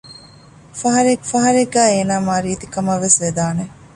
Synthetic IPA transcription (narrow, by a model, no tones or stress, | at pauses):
fɐɦɐɾekfɐɦɐɾeɡːæːeːnaːmaːɾiɐt̪ikɐmɐʋːesʋed̪aːne